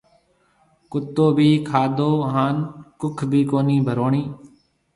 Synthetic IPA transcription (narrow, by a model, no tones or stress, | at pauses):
kʊt̪ːoːbʱiːkʰaːd̪oːɦaːnkʊkʰbʱiːkoːniːbʱəɾoːɳiː